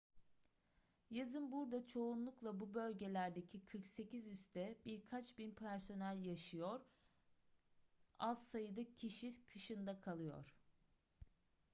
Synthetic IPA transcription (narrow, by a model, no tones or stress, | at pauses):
jazɯnbuɾd̪at͡ʃʰo̞unlˠuklˠabubø̞lʲɟe̞lʲæɾd̪e̞cʰikʰɯɾkse̞cizyst̪ʰɛbiɾkʰat͡ʃbinpʰæɾso̞nælʲjaʃɯjo̞ɾ | azsajɯd̪acʰiʃikʰɯʃɯnd̪akʰalˠɯjo̞̰ɾ̥